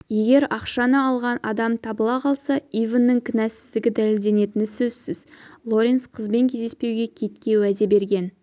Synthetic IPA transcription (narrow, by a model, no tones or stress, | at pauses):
je̞ɡʲe̞ɾɑqʃɑnəɑlˠʁɑnɑd̪ɑmt̪ʰɑbəlˠɑqʰɑlˠsɑijvənːəŋkʲʰɪnæsɪzd̪ɪɡʲɪd̪æle̞ld̪e̞ne̞t̪ɪnɪsɵzsɪzlˠo̞ɾʲensqʰəzbe̞ŋkʲʰe̞zd̪espe̞wɡʲe̞kʲʰe̞t̪kʲe̞wæd̪e̞be̞ɾɡʲe̞n